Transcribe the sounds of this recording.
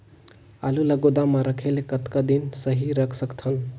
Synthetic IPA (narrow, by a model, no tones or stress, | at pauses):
aluləɡod̪amãɾəkʰelekət̪kad̪insəɦiɾəkʰsəkt̪ʰən